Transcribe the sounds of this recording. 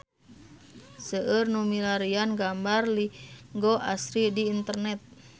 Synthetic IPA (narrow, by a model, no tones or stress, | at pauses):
səʔərnumilaɾianɡambarliŋɡɔʔasɾidiːnt̪ərnɛt̪̚